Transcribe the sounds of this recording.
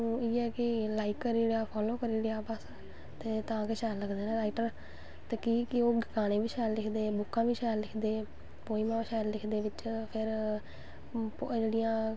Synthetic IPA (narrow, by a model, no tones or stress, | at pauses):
iːɛːkɪlaːikːəɾiːɽaːpʰɔːloːkəɾiːɽeːaːpas | t̪eːt̪ãːkeʃɛːɾləɡd̪eːnãːɾaːiʈəɾ | t̪eːkiːkɪoːɡɪkaːnẽːʋiːʃɛːllɪkʰd̪eːbʊkːãːʋiːʃɛːllɪkʰd̪eː | poːiːmãːʃɛːllɪkʰd̪eːʋɪt͡ʃpʰɪɾ | pːd͡ʒeːɽɪjãː